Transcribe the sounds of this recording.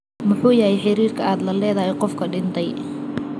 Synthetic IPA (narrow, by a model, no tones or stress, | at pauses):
mʊħuːjɐɦɛjħɪɾiːrkʰɐaːd̪lɐlɛːðɐɦɛjqɔfkʰɐɖɪnt̪ʰɛj